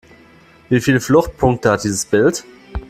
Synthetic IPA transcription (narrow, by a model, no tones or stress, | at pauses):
viːfiːləflʊxt̚pʰʊŋk̚təhat̚d̥iːzəsb̥ɪlt